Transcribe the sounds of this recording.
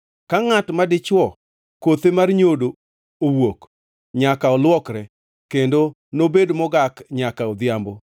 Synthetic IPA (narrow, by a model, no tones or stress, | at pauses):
kaŋatmadɪt͡ʃwɔ | kot̪emarɲodo | owok | ɲakaɔlwɔkɾɛ | kendo | nobedmɔɡakɲakaɔd̪ɪambo